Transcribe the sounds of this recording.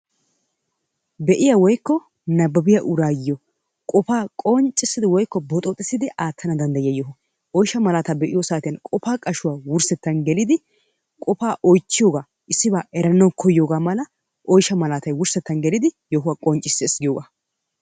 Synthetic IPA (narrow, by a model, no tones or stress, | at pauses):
bɛʔɪjawɔjkːɔ | nɐbːɐbɪjɐʔʊɾaːjɪjɔ | kʼɔfaːkʼɔnt͡ʃʼːɪsːɪd̪ɪwɔjkːɔbɔt̪ʼɔt̪ʼɪsɪd̪ɪʔaːt̪ʰːɐnɐd̪ɐnd̪ɐjjɐjɔɦ | ɔjʃɐmɐlaːt̪ɐbɛʔɪjosaːt̪ɪjɐnkʼɔfaːkʼɐʃʊwaːwʊɾsɛt̪ːɐnɡɛlɪd̪ɪ | kʼɔfaːʔɔjt͡ʃːɪjoːɡaː | ʔɪsːɪbaːʔɛɾɐnːɐwkʰɔjːoːɡaːmɐlɐ | ʔɔjʃɐmɐlaːt̪ɐjwʊɾsɛt̪ːɐnɡɛlɪd̪ɪjɔhʊwakʼɔnt͡ʃʼɪsːɪɛsɡɪjoːɡaː